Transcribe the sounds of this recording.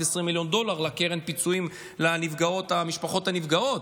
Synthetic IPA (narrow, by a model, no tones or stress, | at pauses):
esʁimːiljo̞nd̪o̞laʁlakeʁenpit͡suim | lanivɡao̞t̪amiʃpaχo̞thanivɡao̞t